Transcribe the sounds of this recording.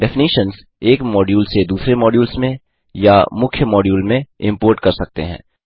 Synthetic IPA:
ɖɛfɪniːʃənz | eːkmɔːɖjuːlsed̪uːsɾemɔːɖjuːlsmẽ | jamʊkʰjəmɔːɖjuːlmẽɪ̃mpoːɾʈkɐɾsɐk̚t̪ḛɦɛ̰̃ː

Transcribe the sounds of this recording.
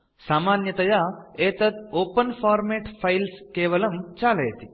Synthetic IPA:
saːmaːnjɐt̪ɐjaeːt̪ɐt̪oːpɐnfʰaːɾmeːʈfʰɐjlskeːʋɐlɐmt͡ʃaːlɐjt̪i

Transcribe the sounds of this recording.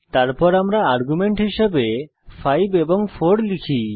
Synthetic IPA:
t̪aɾpɔɾamɾaaɾɡumeɳʈɦiʃebe | fʰajbeboŋfʰoɾlikʰi

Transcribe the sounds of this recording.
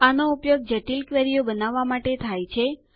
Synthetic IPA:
anoupjoɡ̚d͡ʒəʈilkʋeɾijobənaʋːamaʈet̪ʰajt͡ʃʰe

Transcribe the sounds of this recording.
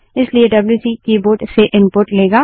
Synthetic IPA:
ɪslieɖɐbljuːsikiːboːʈseʔɪ̃npʊɾʈleːɡaː

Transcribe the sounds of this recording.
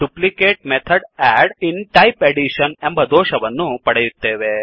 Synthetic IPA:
ɖ̥uplikeːʈ̚met̪ʰɐɖæːɖinʈɐjpeɽiʂɐnembɐd̪oːʃɐʋɐnːupɐɽejut̪ːeːʋe

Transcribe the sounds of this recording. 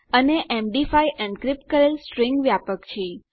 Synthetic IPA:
əneʔemɖifajʔɛ̃ɳɖkɾɪp̚ʈ̚kəɾelsʈɾĩŋɡʋjapəkt͡ʃʰe

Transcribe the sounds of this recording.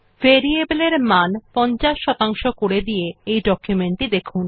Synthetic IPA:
veɾiebeleɾmanpɔnt͡ɕaʃːɔt̪aŋʃokoɽed̪ijeejɖɔkjumeɳʈid̪ekʰun

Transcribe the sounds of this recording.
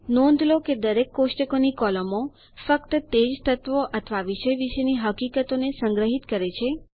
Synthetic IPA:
nɔ̃nd̪ʱloked̪əɾekːoʃʈəkonikɔləmo | fəkt̪ət̪ed͡ʒt̪ʰət̪ʋoʔət̪ʰʋaʋiʃəjʋiʃeniɦəkikət̪onesəŋɡɾəɦit̪kəɾet͡ʃʰe

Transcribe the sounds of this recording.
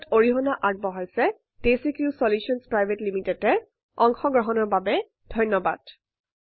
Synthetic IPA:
toɹiɦɔnaʔaɹt̚bɔɦɔjsɛ | d̥esikjusɔljusɔnspɹajbʱetlimitɛtɛ | ɔŋxɔɡɹɔɦɔnɔɹbabɛ | d̥ʱɔjnːɔba̰d̥

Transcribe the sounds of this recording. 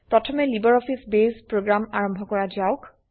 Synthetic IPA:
pɹɔtʰɔmɛlibɔɹɔpʰisbespɹoɡɹamaɹɔmbʱɔkɔɹazaʊk

